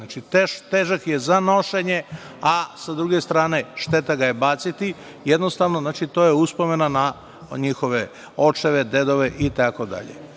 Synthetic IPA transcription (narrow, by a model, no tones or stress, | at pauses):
nat͡ʃit̪et̪eʒakjezano̞ʃeɲe̞ | asad̪ɾuɡe̞st̪ɾaːne̞ʃt̪e̞t̪aɡajebaːt̪sit̪i | jed̪nost̪aʋnoznaːt͡ʃit̪o̞ːjeuspo̞me̞nana | ɲixo̞ʋe | o̞t͡ʃeʋe̞d̪e̞d̪o̞ʋe̞ʔit̪akod̪a̰ʎḛ